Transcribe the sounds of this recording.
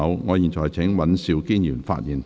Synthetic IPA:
wŋɔː˨˧jiː˨˩nt͡ʃʰɔː˨˩jt͡sʰɪ˨˥ŋwɐ˨˥nsiː˨wkiː˥njyː˨˩nfa̰ː˧t̚jiː˨˩n

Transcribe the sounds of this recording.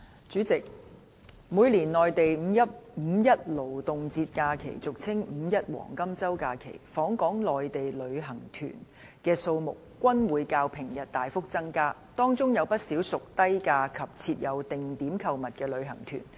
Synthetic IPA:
t͡syː˨˥t͡sɪ˨k̚ | muː˨˧jliː˨˩nlɔː˨jt̪e˨jm̩˨˧jɐ˥t̚m̩˨˧jɐ˥t̚lo˨˩wt̪ʊ˨ŋt͡siː˧t̚kaː˧kʰḛ˨˩jt͡sʊ˨˩k̚t͡sʰɪ˥ŋm̩˨˧˥jɐ˥t̚wɔ̰ː˨˩ŋkɐ˥mt͡sɐ˥wkaː˧kʰḛ˨˩jfɔː˨˥ŋkɔː˨˥ŋlɔː˨jt̪e˨jlɵ˨˧˥ɥɦɐ˨˩ŋt̪ʰy̰ː˨˩n | kɛː˧so˧wmʊ̰˨k̚ːʷɐ˥nwuː˨˧jkaː˧wpʰɪ˨˩ŋjɐ˨t̚t̪aː˨jfʊ˥k̚t͡sɐ˥ŋkaː˥ | t̪ɔː˥ŋt͡sʊ˥ŋjɐ˨˧wpɐ˥t̚siː˨˥wsʊ˨k̚t̪ɐ˥jkaː˧kʰɐ˨p̚t͡sʰiː˧t̚jɐ˨˧wt̪ɪ˨ŋt̪iː˨˥mkʰɐ˧wmɐ˨t̚kɛː˧lɵ˨˧ɥɦɐ̰˨˩ŋt̪ʰy̰˨˩n

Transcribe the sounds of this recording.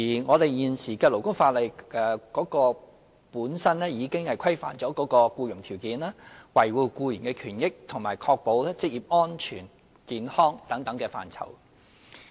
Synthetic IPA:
iː˨˩ŋɔː˨˧t̪e˨jjiː˨˩nsiː˨˩kɛː˧lo˨˩wkʊ˥ŋfaː˧t̚lɐ˨˩jʔɛː˨kɔː˨˥kɔː˧ | puː˨˥nsɐ˥nlɛː˥jiː˨˧kɪ˥ŋhɐ˨jkʰɐ˥jfa̰ː˨˩nt͡ʃɔː˨˥kɔː˨˥kɔː˧kuː˧jʊ˨˩ŋt̪ʰiː˨˩wkiː˨˥nlaː˥wɐ˨˩jwuː˨˧˩kuː˧jiː˨˩nkɛː˧kʰyː˨˩njɪ˥k̚t̪ʰʊ˨˩ŋmaː˨˩jkʰɔː˧k̚po˨˧˥wlɛː˥t͡sɪ˥k̚jiː˨˩p̚ŋɔː˥nt͡ʃʰyː˨˩n | kiː˨nhɔː˥ŋt̪ɐ˨˥ŋt̪ɐ˨˥ŋkɛː˧fa̰ː˨˩nt͡sʰɐ̰˨˩w

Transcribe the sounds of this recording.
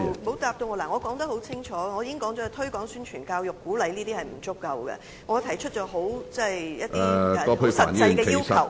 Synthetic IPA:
mo˨˥wt̪aː˨p̚t̪o˧wŋɔː˨˧laː˨˩ŋɔː˨˧kɔː˨˥ŋt̪ɐ˥k̚ho˨˥wt͡sʰɪ˥ŋt͡ʃʰɔː˨˥˧ŋɔː˨˧ji˧kɪ˥ŋkɔː˨˥ŋt͡sɔː˨˥˨t̪ʰɵ˥ɥkɔː˨˥ŋsyː˥nt͡ʃʰyː˨˩nkaː˧wjʊ˨kːuː˨˥lɐ˨˧jliː˥t̪iː˥hɐ˨jm̩˨˩t͡sʊ˥kːɐ˨˧wɡɛ̰˧ | ŋɔː˨˧t̪ʰɐ˨˩jt͡ʃʰɵ˥t̚t͡ʃɔː˨˥ɦo˨˥wt͡sɐ˥˩jjɐ˥t̪i˥˨˧ɔː˥pʰo˥sɐː˨˩niː˥˨y˩˨kɛː˧kʰjiː˥˩wsʰɐ˥ɐ˨˩w

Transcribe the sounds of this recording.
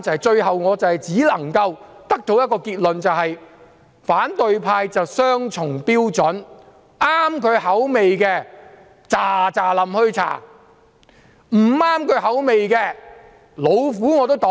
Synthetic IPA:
t͡sɐ˨hɐ˨jt͡ʃɵ˧ɥɦɐ˨wŋɔː˨˧t͡sɐ˨whɐ˨˩jt͡siː˨˥lɐ˨˩ŋkɐ˧wt̪ɐ˥k̚t̪o˨˥wjɐ˥t̚kːɔː˧kiː˧t̚lɵ˨nt͡sɐ˨wɦɐ˨j | faː˨˥nt̪ɵ˨ɥpʰaː˧jt͡sɐ˨wsœː˥ŋt͡sʰʊ˨˩ŋpiː˥wt͡sɵ˨˥n | aː˥mkʰɵ˨˧ɥɦɐ˨˥wme˨jkɛː˧ | t͡saː˨˩t͡saː˨lɐ˨mhɵ˧ɥt͡sʰa̰ː˨˩ | m̩˨˩aː˥mkʰɵ˨˥ɥɦɐ˨˥wme˨jkɛː˧ | lo˨˧wfuː˨˥ŋɔː˨˧t̪o˥wt̪ɔ˨˥

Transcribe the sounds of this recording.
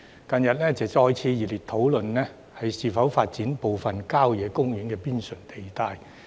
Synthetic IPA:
kɐ˨˧njɐ˨t̚nɛː˥t͡sɐ˨˩t͡sɔː˧jt͡sʰiː˧jiː˨liː˨t̪ʰo˨˥wlɵ˨nnɛː˥ | hɐ˨jsiː˨˩fɐ˨˥wfaː˧t̚t͡siː˨˥npo˨wfɐ˨nkaː˥wjɛː˨˧kʊ˥ŋjɪ˨˥ŋkɛː˧piː˥nsɵ˨˩ŋt̪e˨˩jt̪aː˧j

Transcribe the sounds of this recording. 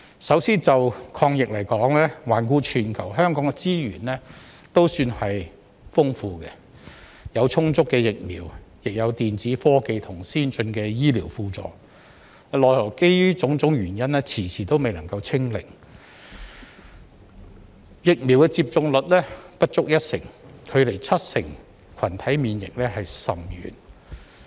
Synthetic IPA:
sɐ˨˥wsiː˥nt͡sɐ˨wkʰɔː˧ŋjɪ˨k̚lɐ˨˩jkɔː˨˥ŋlɛː˥waː˨˩nkuː˧t͡ʃʰyː˨˩nkʰɐ˨˩wɦœː˥ŋkɔː˨˥ŋɛ˧t͡siː˥ɥy̰ː˨˩nlɛ˥ | t̪o˥wsyː˧nhɐ˨j | fʊ˥ŋfuː˧kɛ̰˧ | jɐ˨˧wt͡sʰʊ˥ŋt͡sʊ˥kːɛː˧jɪ˨k̚mḭː˨˩wjɪ˨k̚jɐ˨˧wt̪iː˨nt͡siː˨˥fɔː˥ke˨˧jt̪ʰʊ˨˩ŋsiː˥nt͡ʃɵ˧nkɛː˧jiː˥liː˨˩wfuː˧t͡sɔ̰ː˨ | lɔː˨jlɔ˨˩ke˥t͡sʊ˨˥ŋt͡sʊ˨˥ŋjyː˨˩njɐ˥nlɛː˥t͡sʰiː˨˩t͡sʰiː˨˩t̪o˥wme˨jlɐ˨˩ŋkɐ˧wt͡sʰɪ˥ŋlɪ̰˨˩ŋ | jɪ˨k̚mi˨˩wkɛ˧t͡siː˧p̚t͡sʊ˧ŋlɵ˨t̚lɛː˥pɐ˥t̚t͡ʃʊ˥k̚jɐ˥t̚sɪ̰˨˩ŋkʰɵ˨˧le˨˩jt͡sʰɐ˥t̚sɪ˨˩ŋ | kʰɐ˨˩nt̪ʰɐ˨˥jmiː˨˧njɪ̰˨k̚lɛː˥ɦɐ˨jsɐ˨˩mjy̰ː˨˩n

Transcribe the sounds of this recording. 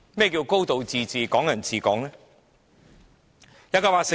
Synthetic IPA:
mɛː˥k̬iː˧wko˥wt̪o˨wt͡siː˨˧t͡siː˨kɔː˨˥ŋjɐ˨˩nt͡sʰiː˨˧kɔː˨˥ŋɛ˥ | jɐ˥kɔː˧˥paː˧se˨

